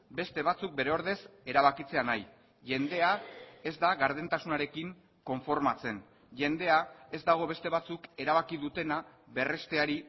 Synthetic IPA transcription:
be̞st̪e̞βat͡suk̚be̞ɾe̞o̞ɾðe̞se̞ɾaβ̞akit͡se̞anaj | ʝe̞nd̪e̞ae̞zd̪aɣaɾð̞ent̪asunaɾe̞kiŋ | ko̞ɱfo̞ɾmat͡se̞n | ʝe̞nd̪e̞ae̞zd̪aɣ̞o̞βe̞st̪e̞β̞at͡suke̞ɾaβakiðut̪e̞na | βe̞re̞st̪e̞aɾi

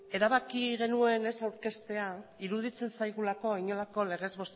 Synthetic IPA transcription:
e̞ɾaβakiɣe̞nue̞ne̞sawɾke̞st̪e̞aiɾuð̞it͡se̞nsajɣ̞ulako̞iɲo̞lako̞le̞ɣ̞e̞zβo̞st̪

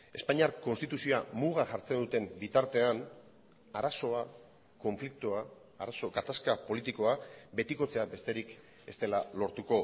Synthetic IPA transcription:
e̞spaɲiaɾko̞nst̪it̪usioamuɣ̞aʝaɾt͡se̞nd̪ut̪e̞mbit̪aɾt̪e̞an | aɾaso̞a | ko̞ɱflik̚t̪uaː | ɾaso̞ɡat̪askapo̞lit̪iko̞abe̞t̪iko̞t͡se̞abe̞st̪e̞ɾik | e̞st̪e̞lalo̞ɾt̪uko̞

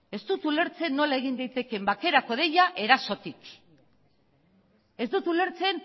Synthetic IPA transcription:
e̞st̪ut̪ule̞ɾt͡se̞nːo̞lae̞ɣ̞ind̪ajt̪e̞ke̞mbake̞ɾako̞ð̞e̞jaʔe̞ɾaso̞t̪ik | e̞zd̪ut̪ule̞ɾt͡se̞n

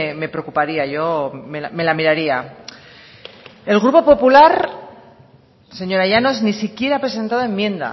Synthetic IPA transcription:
me̞pɾekupaɾiaʝo̞meame̞lamiɾaɾia | e̞lɣɾupo̞po̞pulaɾ | se̞ɲo̞ɾaʝano̞znisikje̞ɾapɾe̞se̞nt̪aðoe̞mːjẽ̞nd̪a̰

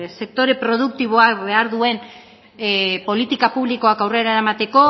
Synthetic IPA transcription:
se̞k̚t̪o̞ɾe̞pɾo̞ð̞uk̚t̪iβ̞o̞akβe̞aɾðue̞n | po̞lit̪ikapuβliko̞akawre̞ɾaeɾamat̪e̞ko̞

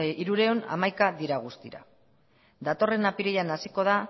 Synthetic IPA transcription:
iɾuɾe̞ona̰majkaðiɾaɣ̞ust̪iɾa̰ | d̪at̪o̞re̞napiɾejanasiko̞ð̞a

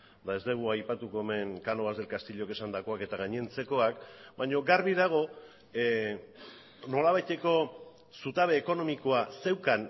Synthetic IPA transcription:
d̪ae̞zd̪e̞ɣ̞uajpat̪uko̞eme̞ŋkano̞β̞azðe̞lkast̪iʎo̞ke̞sand̪ako̞ake̞t̪aɣ̞aɲient͡se̞ko̞akbaɲo̞ɡarβiðaɣ̞o̞ | no̞laβajt̪e̞ko̞ | sut̪aβ̞e̞ːko̞no̞miko̞ase̞wkan

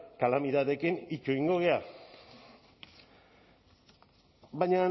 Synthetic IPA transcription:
kalamit̪aðe̞kinit͡ʃuiŋɡo̞ɣea | bajɲa

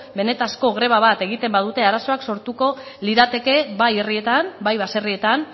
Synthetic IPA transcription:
be̞ne̞t̪asko̞ɣ̞ɾe̞β̞aβ̞at̪e̞ɣit̪e̞mbaðut̪e̞aɾaso̞akso̞ɾt̪uko̞ | liðat̪e̞ke̞βaje̞rie̞t̪anbajβase̞rie̞t̪an

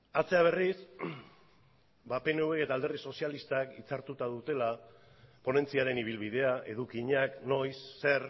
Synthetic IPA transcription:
at͡se̞aβ̞e̞ris | bape̞ne̞ueke̞t̪aːld̪erðiso̞sialist̪akit͡saɾt̪ut̪aðut̪e̞la | po̞ne̞nt͡siaɾe̞niβ̞ilβið̞e̞aʔe̞ðukiɲakno̞jsːe̞ɾ

